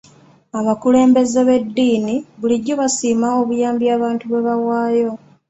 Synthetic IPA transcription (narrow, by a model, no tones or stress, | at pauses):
aβakule̞ːmbe̞zeβe̞dːiːniβuliɟːo̞βasiːmao̞βujaːmbjaːβaːntuβe̞βawaːjo̞